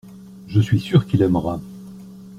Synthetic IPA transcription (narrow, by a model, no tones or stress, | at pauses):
ʒəsɥisyʁkilɛmʁa